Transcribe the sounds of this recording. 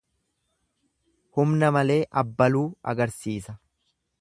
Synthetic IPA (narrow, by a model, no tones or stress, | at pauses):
hʊmnɐmɐle̞ːʔɐbːɐluːɐ̰ɡɐɾsiːsɐ